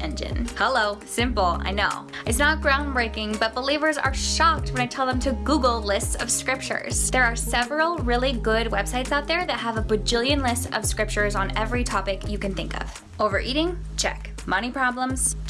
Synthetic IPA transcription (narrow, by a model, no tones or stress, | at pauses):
ɛ̰̃nd͡ʒɨ̰̃nhɛloʊsɪ̃mpl̩ˠa̰ɪnoʊɨtsnət̚ɡ̥ɹãʊ̃nbɹeɪkɪ̃ŋbʌt̚b̥əlivə˞zə̰˞ʃɑk̚t̚wə̃naɪtʰɛlˠðə̃mtʰɨɡuɡl̩ˠlɪstsʌ̰v̥skɹɪp̚t͡ʃə̰˞z̥ðə˞ːsɛvɹl̩ˠɹɪlˠiɡʊd̚wɛb̥saɪtsaʊt̪̚ðə˞ðɨt̚ɦəvəbɨd͡ʒɪlˠjɨ̃nlɪstʌ̰v̥skɹɪp̚t͡ʃə˞zn̩ɛvɹitʰɑpɨkjɨkɨ̃nθɪ̃ŋkʌ̰v̥ | oʊvə̰˞ʔiɾɪ̃ŋ | t͡ʃʰɛ̰k | mʌñipʰɹ̥ɑblə̃mz̥